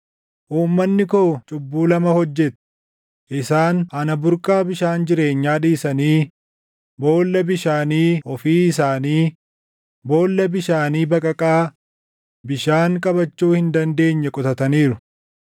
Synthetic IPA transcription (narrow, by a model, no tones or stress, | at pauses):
ʔuːmːɐnːɪkoːt͡ʃʼʊbːuːlɐmɐhɔd͡ʒːɛt̪ | ʔɪsaːnɐnɐbʊɾkʼaːbɪʃaːnd͡ʒɪɾe̞ːɲːaːᶑiːsɐniː | bo̞ːlːɐbɪʃaːniːʔɔfiːɪs̬aːniː | bo̞ːlːɐbɪʃaːniːbɐkʼɐkʼaː | bɪʃaːŋkʼɐbɐt͡ʃːuːhɪnd̪ɐnd̪e̞ːɲːɛkʼʊt̪ɐt̪ɐniːɾʊ